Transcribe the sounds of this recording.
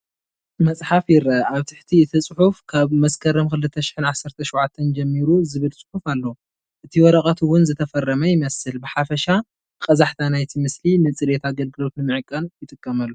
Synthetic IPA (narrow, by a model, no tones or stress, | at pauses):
mɐt͡sʼħafjiɾɐaβt̪ʰɨħt̪ʰiɨt̪ʰɨt͡sʼɨħufkʰaβmɐskʰɐɾɐmkɨlɨt̪ʰːɐʃɪ̥ħɨnʕasːɐɾt̪ʰɐʃwʕat̪ʰːɐnd͡ʒɐmːiɾuzɨβɨlt͡sʼɨ̥ħufalːɐwu | ʔɨt̪ʰiwɔɾɐkʼɐt̪ʰuwʊnzɨt̪ʰɐfɐrːɐmɐjɪmɐsɨlbɨħafɐʃa | kʼɐzaħt̪ʰanajt̪ʰimɨslinɨt͡sʼɨɾet̪ʰaɡɐlɡɨlo̞t̪nɨmɨʕɨkʼːɐnjɪt̪ʼɨkʼːɐmɐlːu